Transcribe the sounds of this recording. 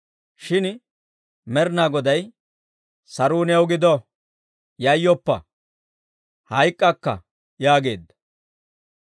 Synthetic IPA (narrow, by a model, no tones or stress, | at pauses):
ʃɪn | mɛɾnaːɡɔd̪ɐj | sɐɾuːnɪɐwɡɪd̪ɔ | jɐjːɔpːɐ̰ | hɐjkʼːɐkːɐ̰ | jaːɡe̞̰ːd̪ːɐ̥